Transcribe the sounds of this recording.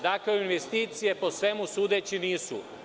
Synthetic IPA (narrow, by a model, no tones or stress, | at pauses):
d̪akleoinʋest̪iːt̪sije̞po̞sʋe̞musuːd̪et͡ɕiniːsṵ